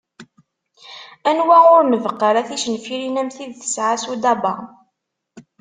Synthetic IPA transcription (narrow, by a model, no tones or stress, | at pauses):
ænwæʊɾməvəqːəɾæθiʃənfiɾinæmθiðθə̥sʕasud̪ɑbɑ̰